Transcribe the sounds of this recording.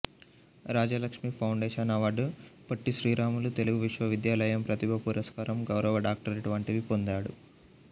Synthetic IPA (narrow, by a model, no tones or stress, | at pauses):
ɾaːd͡ʒɐlɐkʂmiːpʰɐwɳɖeːʂɐnaːʋaːɖupɐʈːiʃɾiːɾaːmulut̪e̞luɡuʋiʂʋɐʋid̪jaːlɐjɐmpɾɐt̪ibʱɐpuɾɐskaːɾɐmɡɐwɾɐʋɐɖaːk̚ʈɐɾeʈuʋɐɳʈiʋipond̪aːɽu